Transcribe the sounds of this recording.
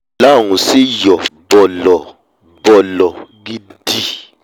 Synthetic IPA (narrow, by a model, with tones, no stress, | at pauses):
la˦˨ŋu˨si˦jɔ˨bɔ˨lɔ˨ | bɔ˨lɔ˨ɡi˦di˦